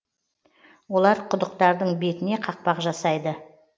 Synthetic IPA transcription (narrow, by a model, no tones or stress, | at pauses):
wo̞lˠɑɾqʰʊd̪əqt̪ɑɾd̪əɴbe̞t̪ɪne̞qʰɑq̚pɑqʒɑsɑjd̪ə